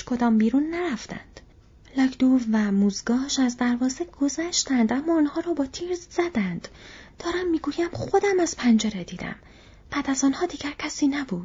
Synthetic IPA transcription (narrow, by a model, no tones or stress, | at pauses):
kʰo̞d̪ɒːmbiːɾunːæɾæft̪æ̰nd̪̥ | lɒːkʰd̪̥uvvæmuːzɡɒːʃæzd̪æɾvɒːzeɡ̥o̞zæʃt̪ænd̪æmːɒːnhɒːɾɒːbɒːt̪ʰiːɾzzæd̪ænd̪̥d̪̥ɒːɾæmːiːɡuːjæmχo̞d̪æmæz̥pʰænd͡ʒeɾed̪iːd̪æ̰m | b̥æd̪æzɒːnhɒːd̪iːɟæɾcʰæsiːnæbuːd̪̥